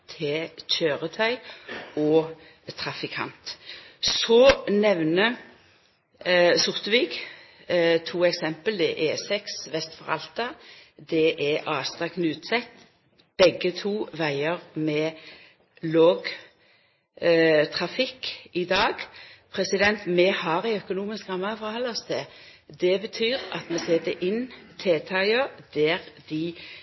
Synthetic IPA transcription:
t̪ʰɪc͡çøːʁət̪ʰœʏɔː | t̪ʰʁɑfɪkʰɑ̰nt̪sɔnɛʋnə | sʊʁt̪əʋɪɡ | t̪ʰuːɛksɛmpəld̪ɛʔɛsɛksʋɛst̪fɔʁɑ̰lt̪ɑd̪ɛʔɛʔɑːst̪ɑknʉːt̪sɛt̪ | b̥ɛɡət̪ʰuːʋæɪəʁmɛ | loːɡ | t̪ʰʁɑfɪkːɪd̪ɑːɡpʰɾɛsɪd̪ɛnt̪mɛhɑːɾæɪœkʊnuːmɪskɑmːɑfʁhɑlːɔsd̪ɛ | d̪ɛbət̪ʰyːʁɑ̰t̪mɛseːd̪ɛʔɪnt̪ʰeːt̪ʰɑɪəd̪̥æɾd̪ɪ

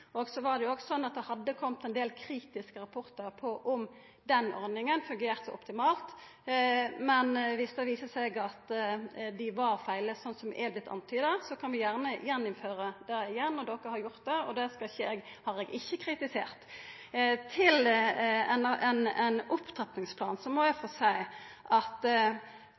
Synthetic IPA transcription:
oːɡsɔʋɑʁd̪ɛjʊoːɡsɔnːɑt̪̚d̪ɛhɑd̪ːəkʰɔmt̪ɛnd̪eːlkʰɾiːt̪ɪskəɾɑpʰɔʁt̪əɾpʰɔʔɔm | d̪ɛnɔ̰ɾd̪ɪŋənfʉŋɡeːʁt̪sɔʔɔpt̪ɪmɑːlt̪ | mɛnʋɪsːəʋiːsəsɛɡɑt̪d̪ɪʋɑɾfæɪləsɔnːsɔmɛ̰ːblɪt̪ʰːɑ̰nt̪ʰyːd̪ɑsɔkʰɑnʋɪjæʁnəjɛnːɔmføːɾəd̪̥ɛɪjɛnːɔd̪ɔkːəhɑɾjʊʁt̪̚d̪ɛɔd̪ɛskɑçəɛɡhɑɾɛɡɪçːəkʰɾɪt̪ɪseːʁt̪ | t̪ʰɪlɛnɛnɛnʊpt̪ʰʁɛt̪nɪŋspʰlɑːnsɔmːɔjæfɔsæɪʔɑt̪

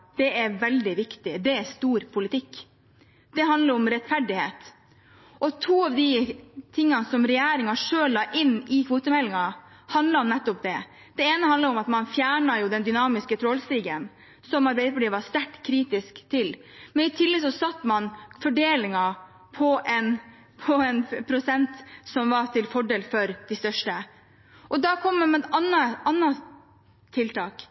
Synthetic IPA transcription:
d̪̥ɛɛɾʋɛld̪ɪʋɪkt̪ɪd̪ɛɛɾst̪uːɾpʰʊlɪt̪ʰɪkː | d̪̥ɛɦɑnd̪ləɾɔmɾɛt̪fæɖɪheːt̪ | ʔɔt̪ʰuːɑʋd̪ɪt̪ʰɪŋːɑnsɔmɾɛjæːɾɪŋɑʂøːlːɑːʔɪnːɪkʰʋuːt̪əmɛlːɪŋɑ | hɑnd̪ləɔmnɛt̪ːɔpd̪ɛ | d̪̥ɛeːnəhɑnəɾɔmɑt̪mɑnfjæːɳɑjʊd̪ɛnd̪ʏnɑːmɪskət̪ʰɾoːlst̪iːɡən | sɔmɑɾbɛɪd̪əpʰɑɖiːʋɑst̪æʈːkʰɾiːt̪ɪskt̪ʰɪl | mɛnɪt̪ʰɪlːɛsɔsɑt̪ːmɑnfɔɖeːlɪŋɑ | pʰɔʔɛn | pʰɔɛnpʰɾʊsɛnt̪sɔmʋɑʈ̪ʰɪlfɔɖeːlfɔɾd̪̥ɪst̪œʂʈə | ʔɔd̪ɑːkʰɔmːəmɛt̪ɑnːɑɑnːɑ | t̪ʰɪlt̪ʰɑːk

